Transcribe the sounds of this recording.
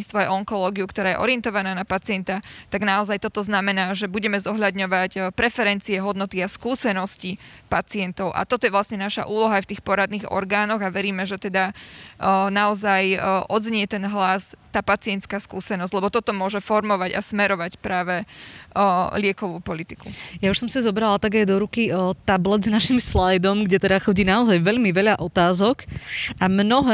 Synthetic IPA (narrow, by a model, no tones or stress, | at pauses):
it͡st̪ʋɔajɛɔŋkɔlɔːɡiukt̪ɔɾaːjɛ̰ʔɔ̰ɾiɛnt̪ɔʋanaːnapat͡sɪɛnt̪at̪aɡnaɔzajt̪ɔt̪ɔznamɛnaːʒɛbuɟɛmɛzɔɦʎad̪ɲɔʋacpɾɛfɛɾɛnt͡siɛɦɔd̪nɔt̪iaskuːsɛnɔscipat͡siɪɛnt̪ɔʊʔa̰t̪ɔt̪ɔjɛʋlasɲɛnaʃa̰ʔuːlɔɦaajft̪iːxpɔɾad̪niːɣɔ̰ɾɡaːnɔɣaʋɛɾiːmɛʒɛt̪ɛd̪a | naɔzajʔɔd̪zɲɪɛt̪ɛnɦlast̪aːpat͡sɪɛnt̪skaːskuːsɛnɔzɟ̥lɛbɔt̪ɔt̪ɔmʊɔʒɛfɔɾmɔʋaɟa̰smɛɾɔʋacpɾaːʋɛ | lɪɛkɔʋuːpɔlit̪ikujauʃsɔmsizɔbɾalat̪aɡajd̪ɔɾukit̪ablɛd̪znaʃimslajd̪ɔmɡɟɛt̪ɛd̪axɔɟiːnaɔzajʋɛʎmiʋɛʎaʔɔt̪aːzɔkamnɔɦɛ